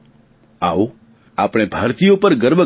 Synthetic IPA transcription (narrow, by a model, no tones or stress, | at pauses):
au | apɽ̃ebʱaɾt̪ijopəɾɡəɾbʱə